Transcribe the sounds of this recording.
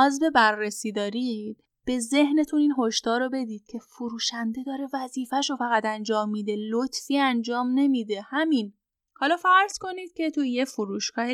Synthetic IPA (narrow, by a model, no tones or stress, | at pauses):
ɒːzbe̞bærːesiːd̪ɒːɾid̪̥̚ | b̥e̞ze̞hne̞t̪ʰuniːnɦoʃt̪ɒːɾobe̞d̪iːd̪̥̚cʰe̞fuɾuːʃænd̪e̞d̪ɒːɾe̞væziːfæʃofæɣæt̪ænd͡ʒɒːmːid̪e̞lot̪ʰfiːænd͡ʒɒːmne̞miːd̪e̞hæmin | hɒːlɒːfæɾz̥ko̞niːd̪̚cʲʰe̞t̪ʰujefuɾuːʃkʰɒːhe